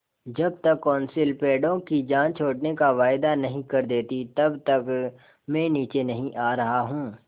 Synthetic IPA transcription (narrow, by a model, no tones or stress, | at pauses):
d͡ʒɐb̚t̪ɐkːɔːnsɪlpeːɖõkid͡ʒãːnt͡ʃʰoːʈnekaʋaːjd̪anɐɦĩkɐɾd̪eːt̪it̪ɐbt̪ɐk | mɛ̃ːniːt͡ʃenɐɦĩʔaːɾɐɦaɦũː